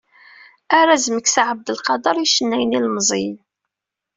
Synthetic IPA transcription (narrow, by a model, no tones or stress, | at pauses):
æɾæzməkːsaʕəb̚d̪əlqɑd̪ɑɾˤjiʃənːæjənilməzˤi